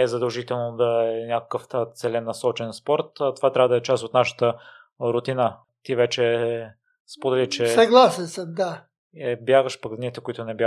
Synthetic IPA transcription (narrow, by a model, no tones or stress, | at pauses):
ɛzɐd̪əlˠʒit̪ɛlˠnod̪ɐɛɛnʲjakə̥kəft̪sɛlɛnːɐsɔt͡ʃɛnspɔɾt̪t̪ovat̪ɾʲavəd̪ɐɛt͡ʃasot̪naʃə̥t̪ə | ɾʊt̪inə | t̪ivɛt͡ʃɛ | spod̪ɛlit͡ʃɛsɐɡlˠasɛnsəd̪a | ɛbjaɡəʃpək̪nit̪ɛkoʊit̪ʊnɛbʲja